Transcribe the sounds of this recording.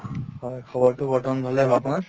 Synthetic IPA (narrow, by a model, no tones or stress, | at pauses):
hɔjkʰɔbɔɹtʊɡʱɔtɔnbʱalɛbapuna